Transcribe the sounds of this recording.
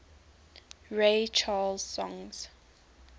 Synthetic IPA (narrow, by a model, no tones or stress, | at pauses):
ɹet͡ʃʰalz̥sɔ̃ŋz̥